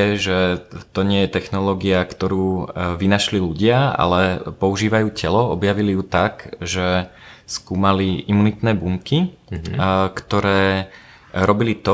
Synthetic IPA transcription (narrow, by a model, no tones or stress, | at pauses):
ɛʒɛt̪ɔɲɪɛjɛt̪ɛxnɔlɔːɡiakt̪ɔɾuːʋinaʃliluɟɪaa̰lɛpɔuʒiːʋajuːcɛlɔɔbjaʋilijut̪akʒɛskuːmaliʔimunit̪nɛːbumki | kt̪ɔɾɛː | ɾɔbilit̪ɔ